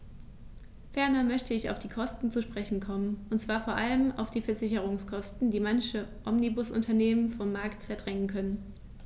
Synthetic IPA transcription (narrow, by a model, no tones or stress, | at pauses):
fɛɐnɐmœçtəɪça̰ʊfd̥iːkʰɔstn̩t͡suʃpʁ̥ɛçn̩kʰɔmənʔʊntt͡sv̥aːɐfoːɐʔaləma̰ʊfd̥iːfɛɐzɪçəʁ̞ʊŋskʰɔstn̩diːmançəʔɔmnibʊsʔʊ̰ntʰɐneːmənfɔmːaɐktfɛɐdʁɛŋənkʰœnən